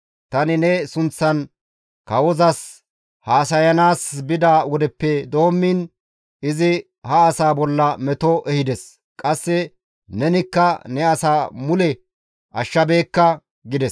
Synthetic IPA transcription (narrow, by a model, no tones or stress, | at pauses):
t̪ɐnɪnɛsʊnt͡sːɐn | kɐwɔzɐs | haːsɐjɐnaːsbɪd̪awɔd̪ɛpːɛd̪o̞ːmːɪn | ɪzɪ | hɐːsaːbɔlːɐmɛt̪ɔʔɛhɪd̪ɛs | kʼɐsːɛ | nɛnɪkːɐnɛɐsaːmʊlɛ | ʔɐʃːɐbeːkːɐ | ɡɪd̪ɛs